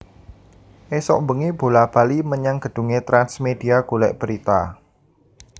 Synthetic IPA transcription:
ʔesɔ̰ʔmbəŋeb̥o̤lab̥a̤liməɲaŋɡ̥ə̤d̥ṳŋet̪ɾansmed̥i̤aɡ̥ulɛ̰ʔb̥əɾit̪a̰

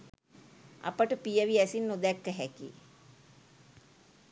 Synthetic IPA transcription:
a̰pəʈəpijəʋiæsinːod̪ækːəɦɛkḭ

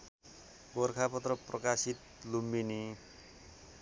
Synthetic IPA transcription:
bɔrkʰapʌt̪rʌprʌkasit̪̚ | lumbini

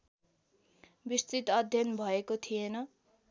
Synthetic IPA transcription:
bist͡sit̪ʌd̪ʱjʌnbʱʌekot̪ʰijenʌ

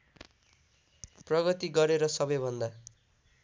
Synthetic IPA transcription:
prʌɡʌt̪iɡʌɾeɾʌsʌbʌjbʱʌnd̪a

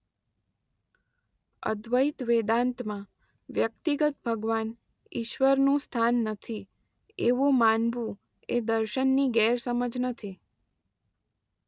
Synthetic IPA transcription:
ə̰d̪ʋəit̪ʋed̪ãnt̪mã | ʋjəkt̪iɡət̪̚bʱəɡʋan | iʃʋəɾnũst̪ʰanːət̪ʰi | eʋumanbu | ed̪əɾʃənːiɡɛɾsəməd͡ʒnət̪ʰi

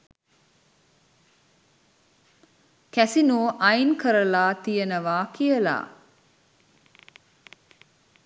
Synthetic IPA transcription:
kæsinoːʔajnkəɾəlaːt̪ijənəʋaːkijəla̰ː

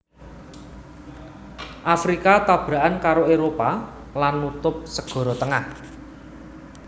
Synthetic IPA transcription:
ʔafɾikat̪ab̥ɾa̤ʔankaɾoeɾopa | lanːut̪ʊp̚səɡ̥ɔ̤ɾɔt̪əŋah

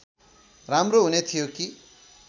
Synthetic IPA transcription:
ramroɦunet̪ʰijoki

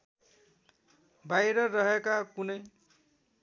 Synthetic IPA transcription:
bajɾʌrʌɦekakunʌj

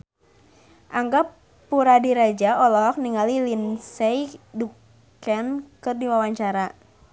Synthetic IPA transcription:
ʔaŋɡapː | uɾadiɾad͡ʒaɔlɔɦɔk̚niŋalilinsɛjdukk | ɛnkɨrdiwawaɲt͡ʃaɾa

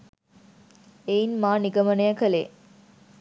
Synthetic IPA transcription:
einmaːniɡɐmɐnejɐkɐlḛː

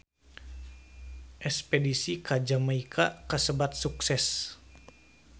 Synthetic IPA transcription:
ʔɛspedisikad͡ʒamaikʰakəsəbat̪̚suksɛs

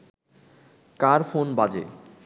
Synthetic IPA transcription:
kaɾfonbad͡ʑḛ

